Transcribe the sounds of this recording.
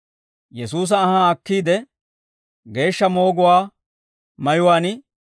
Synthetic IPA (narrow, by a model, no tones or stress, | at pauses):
jɛsuːs̬ɐːhɐːkːiːd̪ɛ | ɡe̞ːʃːɐmo̞ːɡʊwaː | mɐjʊwaːnɪ